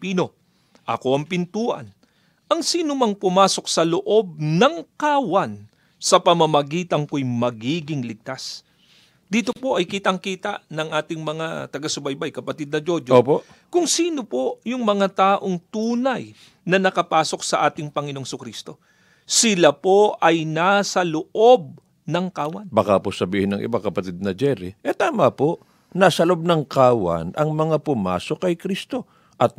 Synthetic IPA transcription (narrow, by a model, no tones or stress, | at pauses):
piːno̞ | ʔɐ̰ko̞ʔɐŋpɪnt̪uːʔɐ̰n | ʔɐŋsiːnomɐŋpʊmaːso̞k̚sɐloʔo̞b̚nɐŋkawɐn | sɐpɐmɐmɐɡiːt̪ɐŋkojmɐɡiːɡɪŋlɪɡ̚t̪as | d̪iːt̪o̞po̞ʔɐjkiːt̪ɐŋkiːt̪ɐʔnɐŋʔaːt̪ɪŋmɐŋat̪ɐɡasʊbɐjbajkɐpɐt̪id̪̚nɐd͡ʒo̞d͡ʒɐpo | kʊŋsiːno̞po̞jʊŋmɐŋat̪aːʔoŋt̪uːnɐj | nɐnɐkɐpaːso̞k̚sɐʔaːt̪ɪŋpɐŋɪno̞ŋsʊkɾist̪o̞ | sɪlapo̞ʔʔɐjnasɐloʔo̞b̚ | nɐŋkaːwɐnbɐkaposɐbiːhɪnɐŋʔɪ̰bakɐpɐt̪id̪̚nɐd͡ʒɛɾḭʔɛt̪aːmɐpo | nasɐloʔob̚nɐŋkaːwɐ̰nʔɐŋmɐŋapʊma̰ːso̞kːɐjkɾist̪o̞ | ʔɐt̪̚